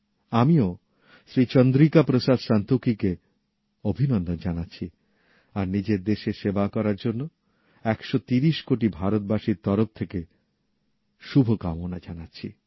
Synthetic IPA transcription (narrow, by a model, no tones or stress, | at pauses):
amio | sɾit͡ɕɔnd̪ɾikapɾosad̪ʃant̪okike | obʱinond̪ond͡ʑanatːɕʰi | aɾnid͡ʑeɾd̪eʃeʃebakɔɾaɾd͡ʑonːo | ɛkʃot̪iɾiʃkoʈ̬ibʱaɾot̪̚baʃiɾt̪ɔɾoft̪ʰeke | ʃubʱokamonad͡ʑanatːɕʰi